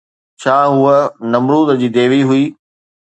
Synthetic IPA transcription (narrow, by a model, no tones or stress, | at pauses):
t͡ɕʰaːɦʊənɐmɾuːd̪d͡ʑiːd̪eːʋiɦʊiː